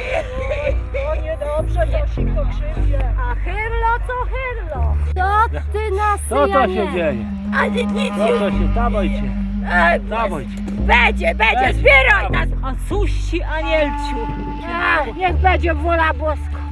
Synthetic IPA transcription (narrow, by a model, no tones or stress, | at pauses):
ɔɲɛd̪ɔbʐɛtɛɕikt̪ɔpʂɪd͡ʑɛaxɪɾlɔt̪ɔxɛɾlɔsɔ | t̪ɪnasɔɔɕɛd͡ʑejɛ | aɲɛɔɕɛt̪abɔjt͡ɕɛ | abɔjt͡ɕɛ | bɛd͡ʑɛbɛd͡ʑɛzbʲjɛɾanasasuɕːiʔaɲɛlt͡ɕu | aɲɛɣbɛd͡ʑɛvɔlabɔskɔ